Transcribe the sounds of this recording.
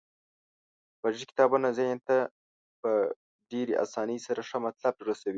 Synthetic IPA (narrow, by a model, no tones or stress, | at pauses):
paʒikɪ̥t̪ɑbunazajant̪a | pə | ɖeɾeʔa̰sɑnəjsaɾaʂəmat̪lab̚t̪ɾasawi